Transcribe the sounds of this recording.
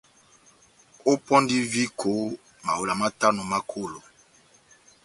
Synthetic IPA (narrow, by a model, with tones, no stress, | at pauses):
o˦pɔ˦ndi˦vi˦kʰo˨˦ | ma˨wo˨la˨ma˦ta˦no˨ma˦kʰo˦˨lo˨